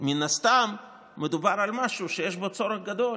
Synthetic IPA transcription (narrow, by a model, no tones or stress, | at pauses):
minast̪amː | ed̪ubaɾalmaʃuʃejeʃbo̞t͡so̞ɾeχɡad̪o̞l